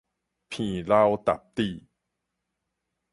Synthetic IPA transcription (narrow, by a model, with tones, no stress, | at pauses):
pʰiː˨˩la˧wt̪a̰˨˩p̚t̪iː˨˩